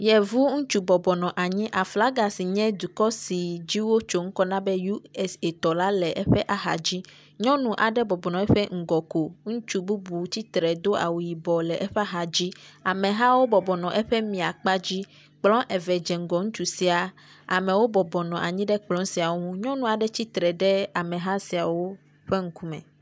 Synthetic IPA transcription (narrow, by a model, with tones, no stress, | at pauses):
jɛ˨vu˦ŋũ˦t͡ʃu˨bɔ˨bɔ˨nɔ̃˨ʔa˨ɲĩ˦ʔa˨fla˦ɡa˨si˨ɲɛ̃˦d̪u˨kɔ˦si˨d͡ʑi˦wo˦t͡ʃo˦ŋ̩˦kɔ˦nã˦bɛ˦ju˦ɛ˦se˨t̪ɔ˨la˦lɛ˨ʔɛ˦ɸɛ˦ʔa˨ɦa̰˨d͡ʑi˦ | ɲɔ̃˦nũ˨ʔa˨ɖɛ˦bɔ˨bɔ˨nɔ̃˨ɛ˦ɸe˦ŋ̩˨ɡɔ˨ko˨ŋũ˦t͡ʃu˦bu˦bu˨t͡ɕi˦t̪ɾɛ˨d̪o˦a̰˨wu˨ji˨bɔ˨lɛ˨ʔɛ˦ɸɛ˦a˨ɦa˨d͡ʑi˦a˨mɛ̃˨ɦa˦wo˦bɔ˨bɔ˨nɔ̃˨ʔɛ˦ɸɛ˦mĩ˨a˨k͡pa˦d͡ʑi˦ | k͡plɔ̃˦ʔɛ˨vɛ˨d͡ʒɛ˨ŋ̩˨˦ɡɔ˨ŋũ˦t͡ʃu˨si˦a˨ | a̰˨mɛ̃˨wo˦bɔ˨bɔ˨nɔ̃˨ʔa̰˨ɲĩ˦ɖɛ˦k͡plɔ̃˦si˨a˨wo˦ŋũ˦ɲɔ̃˦nũ˦˨a˨ɖɛ˦t͡ɕi˦t̪ɾɛ˨ɖɛ˦a˨mɛ̃˨ɦa˦si˨a˨wo˦ | ɸe˦ŋ̩˦ku˦mɛ̰̃˨